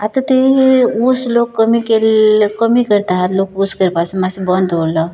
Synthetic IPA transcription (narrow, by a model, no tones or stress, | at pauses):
at̪ət̪euslokkːəmikelkəmikəɾt̪aɦat̪lokuskəɾpasemãsebənd̪ɦolə